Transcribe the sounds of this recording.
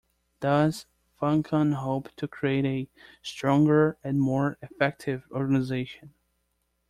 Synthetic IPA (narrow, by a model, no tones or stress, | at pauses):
d̥ʌz̥ | fʌ̃ŋkʰə̃nɦoʊptʰɨkʰɹ̥ieɪɾestʰɹ̥ɔ̃ŋɡə˞ɨ̃nmɔɹɪfɛk̚tʰɪvɔɹɡənɨzeɪʃɨ̃n